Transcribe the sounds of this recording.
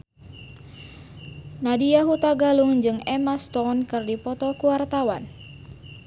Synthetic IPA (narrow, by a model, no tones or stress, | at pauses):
nadiaɦut̪aɡaluŋd͡ʒɨŋɛmast̪ɔnkɨrdipɔt̪ɔkuwart̪awa̰n